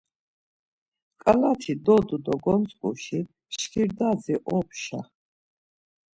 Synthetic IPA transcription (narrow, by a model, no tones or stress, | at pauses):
kʼalat̪ʰid̪ɔd̪ud̪ɔɡɔnt͡sʼkʼṵʃi | ʃkʰiɾd̪aziʔɔpʃa̰